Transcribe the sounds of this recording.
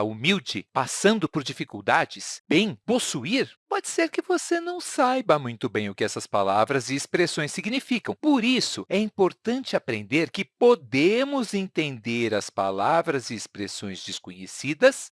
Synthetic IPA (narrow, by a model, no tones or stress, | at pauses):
umiwd͡ʒɪpassɐ̃nd̪ʊpoɾd͡ʒifikuwd̪ad͡ʒɪsb̥ẽj̃posuiɾpɔd͡ʒɪseɾkɪvosenɐ̃w̃sajbɐmũj̃t̪ʊbẽj̃ʊkɪɛsɐspalavɾɐzɪːspɾesõj̃siɡnifikɐ̃w̃poɾisʊɛĩpoɾt̪ɐ̃nt͡ʃɪapɾẽnd̪eɾkɪpod̪ẽmʊzẽnt̪ẽnd̪eɾɐspa̰lavɾɐzɪːspɾesõj̃zd͡ʒɪskõɲesid̪ɐs